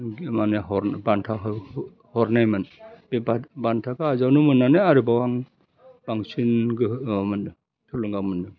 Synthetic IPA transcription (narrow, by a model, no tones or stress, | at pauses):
ɡmaneɦɔɾbantʰaɦ | hɔɾnajmɯnbebabantʰakaazawnɯmɯnːaneaɾibawaŋ | b̥aŋsinɡɯmɯndɯ | tʰuluŋɡawmɯndɯ